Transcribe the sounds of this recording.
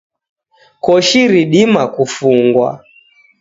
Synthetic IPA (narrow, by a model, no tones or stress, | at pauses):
kɔʃiɾiɗimakufuŋɡwa̰